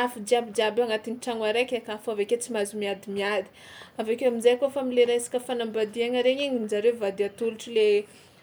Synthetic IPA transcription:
afid͡ʒiabid͡ʒabaŋat̪iniʈ͡ʂaŋaɾakʲakafaveket͡simazumiad̪imiad̪i̥avakewamizajkofamileɾesḁkəfanambad̪iaŋəɾeɲiɲinzaɾevad̪iat̪uluʈ͡ʂile

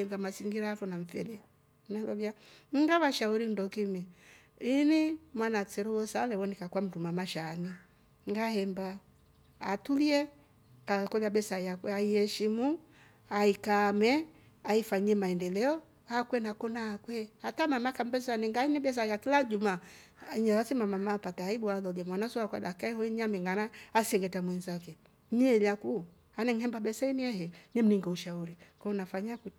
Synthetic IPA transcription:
ɛŋɡamaziŋɡiɾaafɔnaɱ̩fɛlɛ | naɡavjaŋɡaβaʃauɾindɔkimi | inimwanat͡sɛɾɔwɔsalɛwɔnikakwam̩tumamaʃani | ŋɡahɛmbaː | tuliɛ | akɔlabɛsajakwɛaiɛʃimu | aikamɛ | aifaɲiɛmaɛndɛlɛɔ | hakwɛnakɔnaakwɛhatamamakam̩bɛsanɛŋɡainiɓɛs̬ajakilad͡ʒuma | ɲalasimamamapataaiɓualɔlɛmwanasɔakwa̰dakaɛhɔiɲamɛŋɡanaasɛŋɡɛtamwɛnzakɛ | ɲɛɛlaku | anɛŋ̩hɛmbaɓɛsainiɛhɛɲɛm̩niŋɡauʃauɾikɔɔnafaɲaku

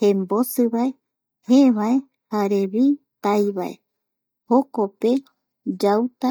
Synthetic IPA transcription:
hembosɨβae | heβae | haɾeβit̪ajβa̰ḛ | hokope | d͡ʒawt̪a

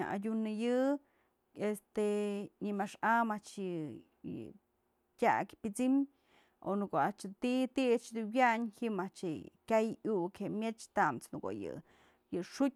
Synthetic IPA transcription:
a̰ʔa̰dʲunɨjɨ | est̪eɲimaʂamaʔt͡ʃjɨ | jɨ̰ | tʲa̰kʲpʲit͡sim | o̰nukoat͡ʃɨt̪it̪it͡ʃd̪uwjaʔɲhimaʔt͡ʃekʲajʔuʔkʰemʲet͡ʃt̪amt͡snuko̰jɨ̰ | jɨʂut̚ʲ

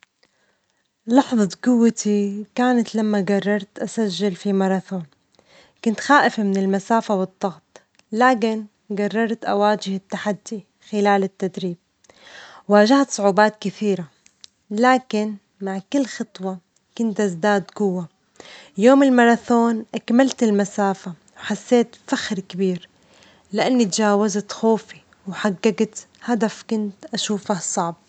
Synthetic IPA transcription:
lɑħðˤɑt̪ɡʊwːat̪ʰikaːnat̪lamːaɡɑrˤːɑɾˤt̪ʔasaʒːɪlfimɑɾˤɑθoːn | kʊnt̪xaːʔɪfamɪnɪlmasaːfawɨd̪ˤːɑɣt̪ˤ | laːk̬ɪn | ɡɑrˤːɑɾˤt̪ʔa̰waːd͡ʒɪhɪt̪ːaħad̪ːi | xɪlaːlɪt̪ːad̪ɾiːb̚ | waːʒaht̪sˤʊʕuːbaːt̪kɪθiːɾa | laːkɪn | maʕkɪlːxɑt̪ˤwɑ | kʊnt̪ʔazd̪aːd̪ɡʊwːa | joːmɪlmɑɾˤɑθoːnʔakmalt̪ɪlmasaːfa | wħasːeːt̪faxɾkɪbiːɾ | lɪʔanːit̪d͡ʒaːwazat̪xoːfi | wħaɡːaɡt̪ | had̪afkʊnt̪ʔaʃuːfahsˤɑʕb̚

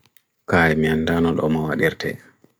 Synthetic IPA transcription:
kaːjmiandanɔɗɔmawaɗiɾtʰɛ̰

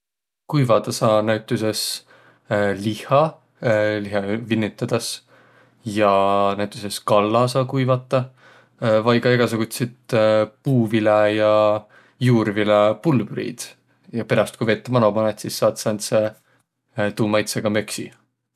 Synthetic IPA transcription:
kujvɑd̪̥ɑsɑːnæwt̪ːˑuse̞s | lihɑ | liɦɑvinʲːit̪ːˑɑd̪̥ɑs | jɑnæwt̪ːˑuse̞skɑlːɑsɑːkujvɑt̪ːˑɑ | vɑjɡɑeɡ̥ɑsuɡ̥ut̪sit̪puːvilejɑ | juːrvilepulːbɾḭd̪̥ | jɑpeɾɑst̪̚kujvet̪ːˑɑmɑnomɑnet̪sisːɑːt̪sɑnse | t̪uːmɑjt̪seɡ̥ɑmø̞ksi

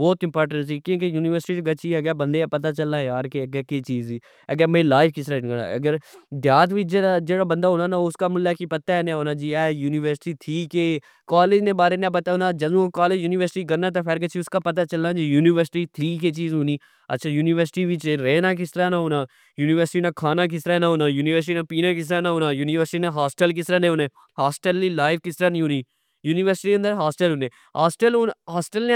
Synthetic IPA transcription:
bɔːt̪ɪ̃mpɔːɾʈə̃ɳʈsiːkjõːkejuːnɪʋəɾsɪʈiːt̪ɡɐt͡ʃiɛɡɛːbə̃nd̪eapɐt̪aːt͡ʃəlːaːjaːɾkeɡɛket͡ʃiːziː | əɡɛːmẽlaːɪfkɪsɾaːnɡəna̰ɐ̰ɡəɾd̪jaːt̪ʋid͡ʒead͡ʒeːɽabə̃nd̪aːɦoːnaːnaːʊskamʊlːakipɐt̪ːaɛneɦoːnaːd͡ʒiːɛːjuːnɪʋəɾsɪ̥ʈiːt̪ʰiːkeː | kaːleːd͡ʒnẽbaːɾenẽapɐt̪aɦoːnaːd͡ʒɐd̪ũkaːleːd͡ʒjuːnɪʋəɾsɪʈiːɡəɾnaːt̪̬apʰɛɾɡət͡ʃiʊskapɐt̪̬aːt͡ʃɐlaːd͡ʒijuːnɪʋəɾsɪʈiːt̪ʰɾiːk̬et͡ʃiːzɦoːniː | ɐ̰tːʃʰajuːniʋəɾsɪ̥ʈiʋit͡ʃeɾɛːnak̬ɪst̪ɾanaɦoːnaː | juːniʋəɾsɪʈinakʰaːnak̬ɪsɾanaɦoːnajuːniʋəɾs̬ɪʈinapiːnakɪs̬ɾanaɦoːnajuːnɪʋəɾsɪʈineɦaːsʈəlk̬ɪsɾanẽɦoːna | haːsʈəlːilaːɪʋkɪsɾanɐ̃ĩɦõːni | juːnɪʋəɾsɪʈiɐnd̪əɾɦaːsʈəlɦoːnẽ | ɦaːsʈəlɦonɦaːsʈəlne

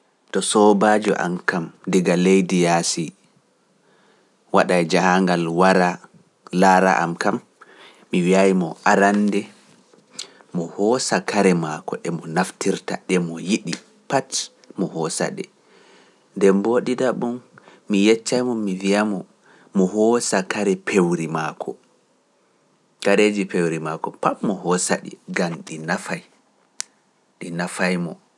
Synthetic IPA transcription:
tɔsɔbad͡ʒɔ̰ʔa̰mkamdiɡalejdijasi | waɗajd͡ʒahaŋɡalwaɾa | laːɾa̰ʔa̰mkamː | iwiajmɔ̰ʔaɾandɛ | mɔhɔsakaɾɛmakɔʔɛmɔnaftiɾta̰ɗɛmɔjiɗi | pat | mɔhɔsa̰ɗɛ̰ | ndɛmboɗidaɓumː | ijɛt͡ʃːajmɔmivijamɔ | mɔɦɔsakaɾɛpʰewɾimakʰɔ | kaɾed͡ʒipewɾimakɔpatmɔhɔsa̰ɗḭɡamɗinafaj | ɗinafajmɔ

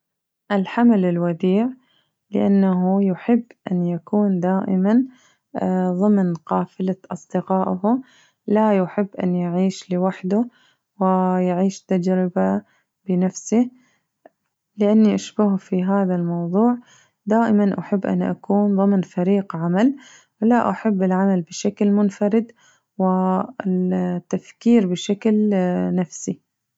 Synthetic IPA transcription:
ʔɪlħamalɪlwad̪iːʕ | lɪ̰ʔanːaɦujʊħɪbːʔanjakuːnd̪aːʔɪ̰man | ðˤɨmnqɑːfɪlaʔɑsˤd̪ɪqɑːʔhʊ | lajʊħɪbːʔa̰njɪʕiːʃlɪwaħd̪ʊ | wɪjɪʕiːʃt̪ad͡ʒɾɪba | b̥ɪnafsɪ | lɪʔanːiʔaʃbahfiɦaːðalmɑwðˤuːʕ | d̪aːʔɪmanʔaħɪbːʔa̰nːʔa̰kuːnðˤɨmnfaɾiːqʕamal | wɪlaʔaħɪbːɪlʕamalbɪʃaklmʊnfɑɾɪd̪ | wɪ | t̪ːafkiːɾbɪʃaklnafsi

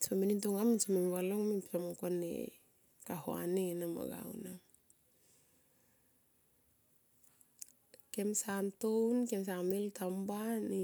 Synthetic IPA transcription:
sominintoŋaminsomimwaloŋmipsamkonḛ | kaho̰a̰nenama̰ɡa̰wna | kemsantownkems̬amiltʰambani

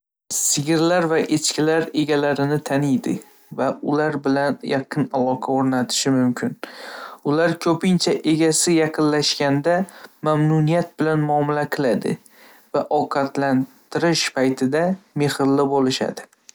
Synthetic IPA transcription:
sɪɡʲɪɾlaɾvaʔet͡ʃkʲɪlaɾe̞ɡʲalaɾɪnɪt̪ʰanɪjd̪ɪ̰ | vaʊlaɾbɪlanjɑqʰɨnalˠɒqʰɑoɾnat̪ʰɪ̥ʃɪmʊmkʲʰɪnʊlaɾkʲʰɵpɪnt͡ʃʰaʔe̞ɡʲasɪjɑqʰɨnlaʃkʲand̪amamnunijat̪̚bɪlanmʊɒmɪlaqʰɨlad̪ɪ̰ | vaʔɒqʰɑt̪lant̪ʰɪɾɪʃpʰajt̪ʰɪd̪ame̞hɪlːɪbolˠɪʃa̰d̪ɪ

